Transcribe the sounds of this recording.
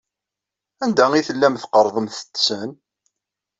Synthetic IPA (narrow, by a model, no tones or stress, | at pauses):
ænd̪æiθəlːæmθqəɾˤðˤəmθə̥t̪ːsən